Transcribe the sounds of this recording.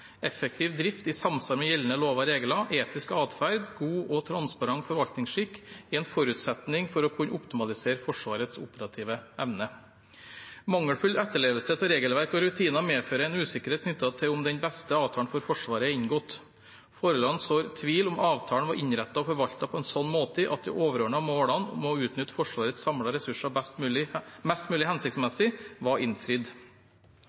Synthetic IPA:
ɛfək̚t̪ʰiːʋd̪ɾɪft̪ɪsɑmsɑɾmɛjɛlnəloːʋɑɾeːɡlɑʔeːt̪ɪskɑːt̪fæɾd̪ɡuːʔɔt̪ʰɾɑnspɑɾɑŋfɔɾʋɑlt̪nɪŋsʂɪkːɪɛːnfɔɾʉːt̪sɛt̪nɪŋfɔɾɔkʰʉnəʔʊpt̪ɪmɑlɪseːɾfɔʂʋɑːɾət̪sʊpəɾɑt̪ʰiːʋəʔɛʋnə | mɑŋːəɽfʉld̪ɛt̪ːəɭeːʋlsət̪ʰɔɾeːɡəlʋæɾkɔɾʉt̪ʰiːnɑmeːføːɾəɛnʉːsɪkəɾeːt̪knʏt̪ːɑt̪ʰɪlʊmd̪ɛnbɛst̪əɑːʋt̪ʰɑːɳfɔɾfɔʂʋɑːɾəɛɪɲɡoːt̪ | foːɾəlɑnsoːɾt̪ʰʋiːlʊmʔɑːʋt̪ʰɑːɳ̩ʋɑɾʔɪɲɾɛt̪ːɑɔfɔɾʋɑlt̪ɑpʰɔɛnsɔnːmoːt̪əəʔɑ̰t̪̚d̪ɛ̰ʔoːʋəɾøːɳəɑmoːɽɑnmɔʉːt̪nʏt̪ːfɔʂʋɑːɾət̪ssɑmɽɑɾɛsʉʂɑmɛst̪mʉːlɪhɛnsɪkt̪smɛsɪʋɑʔɪnfɾɪd̪

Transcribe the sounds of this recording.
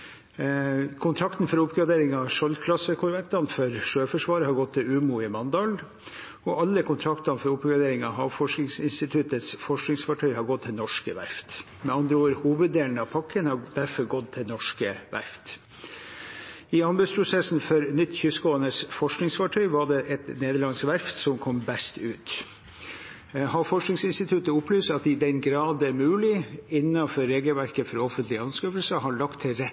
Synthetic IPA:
kʰʊnt̪ʰɾɑkt̪n̩fɔɾʊpɡɾɑd̪eːɾɪŋɑʂɔlkʰlɑsːəkʰʊɾʋɛnt̪ɑnfɔɾʂøːfɔʂʋɑːɾəhɑɾɡɔt̪ʰːɪlʉːmuːɪmɑnd̪ɑːl | ɔɑlːəkʰʊnt̪ʰɾɑkt̪ɑnfɔɾʊpɡɾɑd̪eːɾɪŋɑɦɑːʋfɔʂknɪŋsɪnst̪ɪt̪ʰʉt̪ət̪sfɔʂknɪŋsfɑʈʰœʏhɑɾɡɔt̪ʰːɪlnɔʂkəʋæ̰ɾft̪ | mɛɑnd̪ɾəoːɾhuːʋəd̪̚d̪eːlnəɑpʰɑkʰːənhɑd̪æɾfɔɾɡɔd̪t̪ʰːɪlnɔʂkəʋæ̰ɾft̪ | ɪɑnbʉd̪spʰɾʊsɛsn̩fɔɾnʏt̪ːçʏsɡoːənəsfɔʂknɪŋsfɑʈʰœʏʋɑɖɛʔɛt̪neːd̪əɭɑnsʋæɾft̪sɔmkʰɔmbɛst̪ʉːt̪ | ɦɑɾfɔʂknɪŋsɪnst̪ɪt̪ʰʉt̪əʊpːlyːst̪ɑt̪ɪd̪ɛnɡɾɑːd̪ɛmʉːlɪɪnːɑfɔɾɾeːɡəlʋæɾkəfɔɾɔfənt̪lɪəɑnskœːfəlsəɦɑɭɑkt̪ʰːɪɾɛ

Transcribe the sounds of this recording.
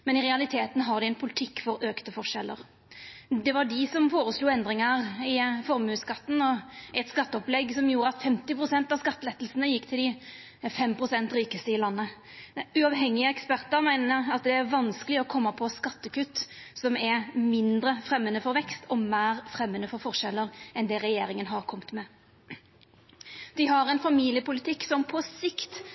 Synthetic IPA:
mɛnɪʁɛɑlɪt̪ʰeːt̪n̩ɦɑʁd̪ɪɛnpʰʊlɪt̪ʰɪkːfɔɾøːkt̪əfɔʂɛlːə̰ɾ | d̪ɛʋɑɖɪsɔmfoːɾəsluːɛnd̪ɾɪŋəɾɪfɔɾmʉːskɑt̪ːn̩ɔɛt̪skɑt̪ːəɔplɛɡsɔmjuːɾəɑt̪fɛmt̪ɪpɾʊsɛnt̪ɑʋskɑt̪ːəlɛt̪ːəl̩sənəjɪkːt̪ʰɪld̪ɪ | fɛmpɾʊsɛnt̪ɾiːkəst̪əɪlɑnːə | ʉɑʋɦɛŋːɪəɛkspæʁt̪əɾmæɪnəɾɑt̪d̪ɛæɾʋɑnskəlɪɔkʰɔmːɑpʰɔskɑt̪ːəkʉt̪ː | sɔmæɾmɪnd̪ɾəfɾɛmːənəfɔɾʋɛkst̪ʰɔmæːɾfɾɛmːənəfɔɾfɔʁʂɛlːəɾɛnd̪ɛʁɛjeːɾɪŋənɦɑʁkʰɔmt̪mɛ | d̪̥ɪɦɑɾɛnfɑmiːlɪjəpʊlɪt̪ʰɪkːsɔmpʰɔsɪkt̪

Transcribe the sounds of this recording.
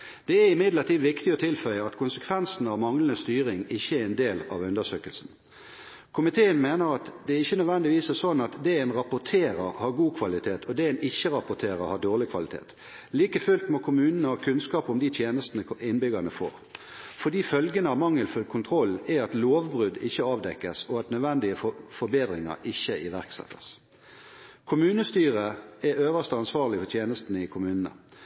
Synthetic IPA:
d̪̥ɛæɾɪmɪd̪lət̪ʰiːd̪ʋɪkt̪ɪɔt̪ʰɪlfœʏəɑt̪kʰʊnsə̥kʰʋɛnsn̩ɑʋmɑŋlənəst̪yːʁɪŋɪçːəæɛnd̪eːlɑ̰ʋʉnd̪əsøːkəlsn̩ | kʰʊmɪt̪ʰeːənmeːnəɾɑt̪d̪ɛæɪçːənœd̪ʋɛnd̪ɪʋiːsɛsɔnːɑt̪d̪ɛenʁɑpʊt̪ʰeːɾəɾhɑɾɡuːkʰʋɑlɪt̪ʰeːt̪ʰɔd̪ɛeːnɪçːəʁɑpʊt̪ʰeːʁə̰hɑd̪oːʁlɪkʰʋɑ̰lɪt̪ʰḛːt̪ | liːkəfʉlt̪moːkʰʊmʉːnənəɑkʰʉnskɑːpɔmd̪ɪt̪ʰjeːnəst̪ənəɪnbʏɡɑnəfo̰ːʁ | fɔd̪iːfœlɡənəɑmɑŋːəlfʉlkʰʊnt̪ʰɾɔlːɛɑt̪loːʋbʁʉd̪ɪçːəɑːʋd̪ɛkːəsɔɑt̪nœd̪ʋɛnd̪ɪəfɔbeːd̪ʁɪŋə̰ɾɪçːəɪʋæʁksɛ̰t̪ːə̥s | kʰʊmʉːnəst̪yːʁəɛøːʋəst̪əɑnsʋɑːʁlɪfɔt̪ʰjeːnəst̪nəɪkʰʊmʉːnənə̰

